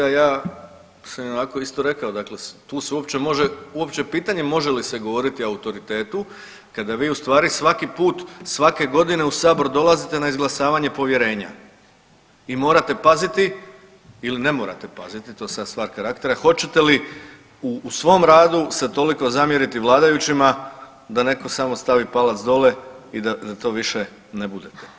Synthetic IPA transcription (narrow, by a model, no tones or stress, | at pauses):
ajaː | samjeonako̞ist̪o̞ɾe̞kaod̪akle̞st̪uːseuo̞pt͡ɕe̞mo̞ʒeuo̞pt͡ɕe̞piːt̪aɲe̞mo̞ʒe̞liseɡo̞ʋo̞ɾit̪iaut̪o̞ɾit̪e̞ːt̪u | kad̪aʋiːust̪ʋaːɾisʋakipuːt̪sʋake̞ɡo̞d̪ine̞usaːbo̞ɾud̪o̞lˠazit̪e̞naizɡlˠasaːʋaɲe̞po̞ʋje̞ɾe̞ːɲa̰ | imo̞ːɾat̪e̞pazit̪i | iline̞mo̞ːɾa̰t̪e̞pa̰zit̪it̪ojesad̪st̪ʋaːɾkaɾakt̪e̞ɾaxo̞t͡ɕe̞t̪e̞li | uːsʋo̞ːmɾaːd̪uset̪o̞liko̞zamje̞ɾit̪iʋlˠaːd̪ajut͡ɕima | d̪ane̞ko̞samo̞st̪aʋipalat̪sd̪o̞le̞id̪ad̪at̪o̞ːʋiʃe̞ | nebud̪et̪e̥